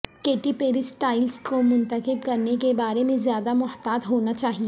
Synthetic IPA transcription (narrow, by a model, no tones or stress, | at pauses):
keːʈipeːɾɪsʈaːɪlskomʊ̃nt̪əkɪb̚kɐɾnekebaːɾemẽzjaːd̪amʊht̪aːd̪ɦoːnat͡ʃaːɦie